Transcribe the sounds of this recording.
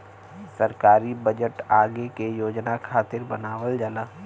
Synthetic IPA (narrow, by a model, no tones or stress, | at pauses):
sɐɾkaːɾibəd͡ʒəʈaːɡekejoːd͡ʒnakʰaːt̪ɪɾbɐnaːʋəld͡ʒəlaː